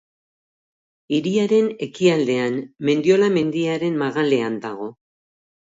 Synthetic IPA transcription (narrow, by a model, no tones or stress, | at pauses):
iɾiaɾe̞ne̞kiald̪e̞anme̞nd̪io̞lame̞nd̪iaɾe̞nmaɣale̞and̪a̰ɣ̞o̞